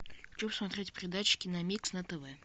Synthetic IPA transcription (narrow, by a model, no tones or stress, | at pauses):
xt͡ɕomsmɐt̪ɾʲetʲpɾʲɪd̪at͡ɕːɪ̥kʲɪnɐmʲiksnɐt̪ɛvɛ